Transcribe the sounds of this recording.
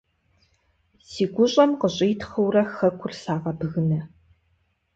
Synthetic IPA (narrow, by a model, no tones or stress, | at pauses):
siːɡʷʊɕʼɐmqəɕʼiːtχɐwrɐxɐkʷʰʊrɬaːʁɐbɨɣɨnɐ